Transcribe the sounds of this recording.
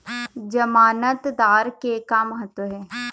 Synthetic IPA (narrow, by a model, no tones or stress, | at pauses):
d͡ʒəmaːnət̪d̪aːɾkekaməɦət̪wəɦɛː